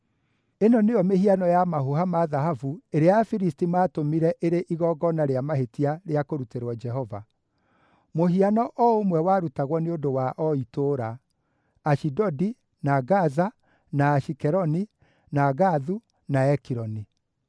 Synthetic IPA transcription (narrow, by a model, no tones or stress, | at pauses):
enɔneɔmehianɔjamaɦoɦamaðaɦavueɾeajafiɾistimaːtomiɾɛʔeɾeʔiɣɔɡɔnaɾeamaɦetiaɾeakoɾuteɾwɔd͡ʒɛɦɔva̰ | moɦianɔʔɔomwɛwaɾutaɣwɔneondowaʔɔitoːɾaː | ʃidɔdi | naɣaza | naːʃikɛɾɔni | naɣaðu | naɛkiɾɔni